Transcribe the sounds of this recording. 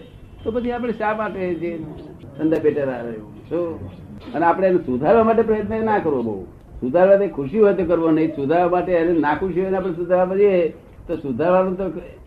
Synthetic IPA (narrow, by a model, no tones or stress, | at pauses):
t̪opət͡ʃʰiap̬ɽ̃eʃamaʈed͡ʒesənd̪apeʈəɾaɾejṵ̃ | so | əneapɽ̃enesud̪ʱaɾʋamaʈ̬epɾəjət̪nəenakəɾʋobə̰ṵ | sud̪ʱaɾʋat̪ekʰuʃiɦojt̪okəɾʋonəĩsud̪ʱaɾʋamaʈeənenakʰuʃiɦojneap̬ɽ̃esud̪ʱaɾʋapət͡ʃʰie | t̪osud̪ʱaɾʋanũt̪o